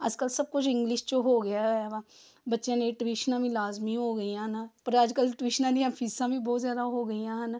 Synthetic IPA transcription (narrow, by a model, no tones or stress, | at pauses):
ə̰d͡ʒkəlsəb̚kʊt͡ʃʰɪ̃ŋɡlɪʃt͡ʃoɦoːɡəjaʋa | bətːʃẽnẽʈwiːʃnãːbĩlaːzmiɦoːɡəijãːnapəɾəd͡ʒkəlʈwiːʃnãːniãːpʰiːsãːbĩbɔːt̪zjaːd̪aɦoːɡəijãɦən